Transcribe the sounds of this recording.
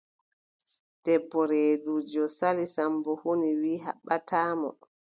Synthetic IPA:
d̥ɛbːɔɾeːdud͡ʒɔsalisambɔhoniwiːɦa̰ɓːatʰaːmɔ̰

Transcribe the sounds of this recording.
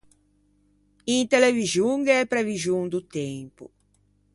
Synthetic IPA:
int̪elevizjuŋɡɛpɾevizuŋd̪ut̪empṵ

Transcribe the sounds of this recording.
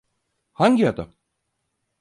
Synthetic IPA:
haɲɟiɦad̪a̰

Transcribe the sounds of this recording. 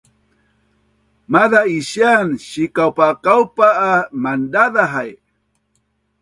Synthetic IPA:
maðaiʃjanʃikawpakawpaːmandaðaɦaj

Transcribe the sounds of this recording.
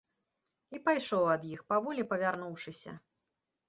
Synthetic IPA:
ipajʂɔwɐd̪jixpavɔlʲipɐvʲarnuwʂɨsʲɐ̰

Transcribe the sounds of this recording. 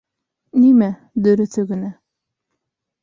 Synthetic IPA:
nimæ | d̪ɵ̆ɾɵ̆θɵɡɘ̆næ

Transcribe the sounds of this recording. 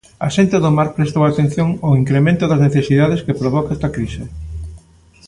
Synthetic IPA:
ɐ̰ʃent̪eðʊmaɾpɾest̪owat̪ẽn̟θjoŋoiŋkɾemẽnt̪ʊðɐzneθesiðað̞eskepɾoβɔkaɛst̪ɐkɾise

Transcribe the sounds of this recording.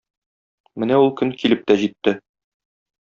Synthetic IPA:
mɘnæulˠkɵŋkilɘp̚t̪æʑit̪ːɘ

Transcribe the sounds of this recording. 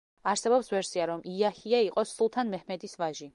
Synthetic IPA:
aɾsɛbɔpsvɛɾsiaɾɔmiahiaiqʼɔsulˠt̪ʰanmɛhmɛd̪isvaʒi

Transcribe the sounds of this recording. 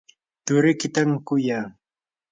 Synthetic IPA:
t̪ʊɾɪkɪt̪aŋkʊjaː

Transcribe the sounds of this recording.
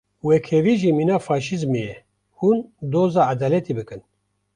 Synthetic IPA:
wekʰɛviːʒiːmiːnaːfɑːʃizmejɛ | hund̪oːzaːʔad̪ɑːlɛt̪ibɨkɨn

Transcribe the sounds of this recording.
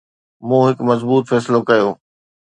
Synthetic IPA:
mũːɦɪkmɐzbuːt̪fɛːsɪlokɐjoː

